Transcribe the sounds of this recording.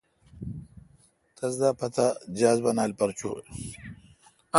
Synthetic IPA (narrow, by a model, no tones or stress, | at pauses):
t̪ɐzd̪apɐt̪ʰad͡ʑaːzbɐnaːlpɐɾt͡ɕṵ